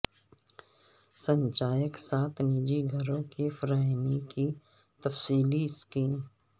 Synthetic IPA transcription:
sə̃ɲt͡ʃaːjəksaːt̪ʰniːd͡ʒiɡʱəɾõkefɾaːɦmiki | t̪ɐfsiːliɪskiːm

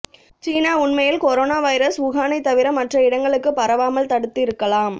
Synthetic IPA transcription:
t͡ʃiːnaːʊɳmɐjɪlkɔɾoːnaːʋɐɪɾɐsʊɣaːnɐɪt̪ːɐʋɪɾɐmːɐʈrɐɪɽɐŋɡɐɭɯkːɯpɐɾɐʋaːmɐlt̪ɐɽɯt̪ːɪɾɯkːɐlaːm

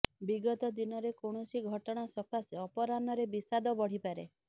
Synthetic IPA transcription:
biɡɔt̪ɔd̪inɔɾekoɳ̃ɔsiɡʱɔʈɔɽ̃asɔkʰasiɔpɔɾanɔɾebisad̪ɔbɔɽ̤ipaɾḛ

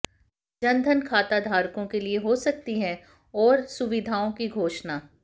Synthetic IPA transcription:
d͡ʒɐ̃nd̪ʱənkʰaːt̪ad̪ʱaːɾkõkelieɦosɐk̚t̪iɦɛ̃ | ɔːɾsʊʋɪd̪ʱaːõkiɡʱoːʃnaː

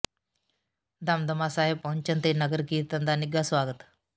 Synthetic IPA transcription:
d̪amd̪əmasaːɦeb̚pːɐɦəɲt͡ɕənt̪enəɡəɾkiːt̪ɐnd̪aniɡasʋaːɡət̪

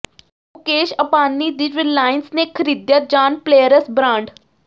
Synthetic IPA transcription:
ʊkeːʃɐpaːnːid̪ɪd͡ʒʋɪllːaːɪnsnekʰəɾiːd̪jad͡ʒaːnpleːjəɾəsbɾãːɳɖ

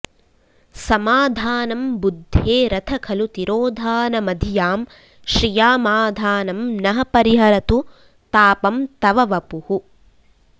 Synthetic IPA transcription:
sɐmaːd̪ʱaːnɐmbud̪ʱːeːɾɐt̪ʰɐkʰɐlut̪iɾoːd̪ʱaːnɐmɐd̪ʱijaːm | ʃɾijaːmaːd̪ʱaːnɐmnɐɦɐpɐɾiɦɐɾɐt̪u | t̪aːpɐmt̪ɐʋɐʋɐpuhu

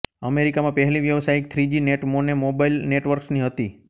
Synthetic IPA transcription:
əmeɾikamãpəɦɛliʋjəʋsajɪk̚t̪ʰɾid͡ʒineʈmonemobailneʈʋəɾksniɦət̪i

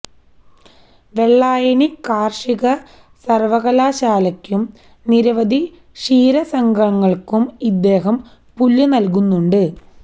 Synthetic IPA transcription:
ʋe̞ɭːaːjɐnikaːrʂiɣɐ | sɐrʋɐɣɐlaːɕaːlɐkʲːum | niɾɐʋɐd̪ʱi | ʂiːɾɐsɐŋɡɐɳɐŋːɐɭkumid̪ːe̞ːɦɐm | pulːunɐlk̬unːuɳɖɨ

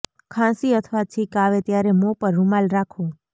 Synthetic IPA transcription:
kʰãsiət̪ʰʋat͡ʃʰikaʋet̪jaɾemopəɾːumalɾakʰo

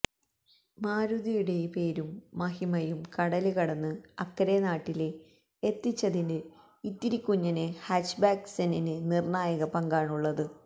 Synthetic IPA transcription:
maːɾuðijuɽe̞pe̞ːɾumːɐhimɐjumkɐɽɐlɨkɐɽɐnːɨɐkːɐɾenaːʈːile | et̪ːit͡ɕːɐðindɨ | it̪ːiɾikʲːuɲːɐnɨhaːʂbaːkseninɨnirɳaːjɐɣɐpɐŋɡaːɳuɭːɐðɨ

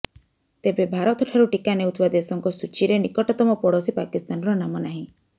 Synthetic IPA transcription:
t̪ebebʱaɾɔt̪ɔʈʰaɾuʈikaneut̪ʰibad̪esɔŋkɔsut͡ʃiɾenikɔʈɔt̪ɔmɔpɔɽɔsipakist̪anɔɾɔnamɔnaɦĩ

